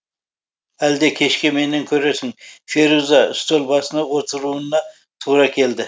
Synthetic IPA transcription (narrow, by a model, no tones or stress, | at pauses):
æld̪e̞kʲʰe̞ʃkʲeme̞nɪŋkʲʰɵɾesɪŋfe̞ɾuzɑʏ̰st̪olˠbɑsənɑwot̪ʰəɾuənːɑ | t̪ʰuɾɑkʲʰe̞ld̪ɪ